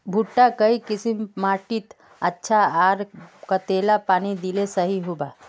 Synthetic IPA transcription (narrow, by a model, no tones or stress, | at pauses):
bʱuʈːakəikisimmaʈit̪ | ətːʃʰaaɾkət̪elapaːnid̪ilesəɦiɦuba